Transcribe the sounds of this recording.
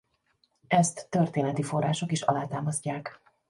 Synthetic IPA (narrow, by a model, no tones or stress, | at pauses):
ɛst̪ːørt̪eːnɛt̪ifo̞rːaːʃo̞kiʃɒ̰laːt̪aːmɒzcːaːk